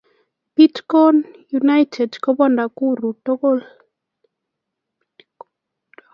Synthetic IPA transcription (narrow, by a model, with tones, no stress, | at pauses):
pi˦tkɔ˦nju˨na˦jtʰɛ˨dkɔ˦bɔ˦nda˨ku˦ɾu˨to˦ko˦˨l